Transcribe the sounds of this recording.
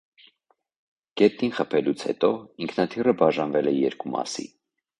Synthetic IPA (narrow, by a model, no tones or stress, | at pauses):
ɡ̥ɛt̪̚ninχəpʰɛlut͡sʰhɛ̰t̪ɔiŋkʰnɑt̪ʰirəbɑʒɑnvɛlɛjɛɾkumɑ̰sḭ